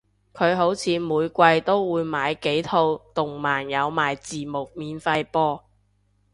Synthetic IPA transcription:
kʰɵ˨˧ɥɦo˨˥wt͡sʰiː˨˧muː˨˧jkʷɐ˧jt̪o˥wwuː˨˧jmaː˨˧jke˨˥jt̪ʰo˧wt̪ʊ˨˩ŋmaː˨˩njɐ˨˧wmaː˨jt͡siː˨mʊ˨˩k̚miː˨˧nfɐ˧jpɔː˥

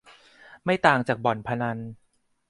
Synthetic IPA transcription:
ma˥˩jt̪aː˨˩ŋt͡ɕaː˨˩k̚bɔ˨˩npʰa˧na˧n

